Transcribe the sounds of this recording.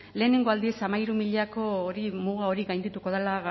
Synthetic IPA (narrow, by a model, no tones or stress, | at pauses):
le̞ːne̞ŋɡo̞ald̪iesamaiɾumiʎako̞ːɾimuɣao̞ɾiɣajnd̪it̪uko̞ðelaɣ